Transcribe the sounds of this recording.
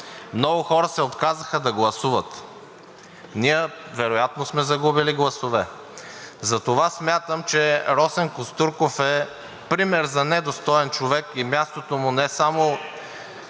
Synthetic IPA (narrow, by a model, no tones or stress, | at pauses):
mnɔɡʊxɔɾəsɛot̪kazəxəd̪ɐɡlˠɐsuvət̪ | niəvɛɾojat̪nosmɛzɐɡubiliɡlˠɐsovɛ | zɐt̪ovasmʲjat̪əmt͡ʃɛɾɔsɛnkʊst̪uɾkofɛ | pɾimɛɾzɐnɛd̪ost̪ɔɛnt͡ʃovɛkimʲjast̪ot̪omʊnɛsamo